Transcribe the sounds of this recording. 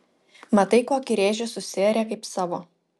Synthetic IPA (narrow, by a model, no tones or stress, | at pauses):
mɐt̪ɐɪkoːkʲɪɾʲeːʒʲʊsʊsʲɪɛɾʲɛːkɐɪpsɑːʋoː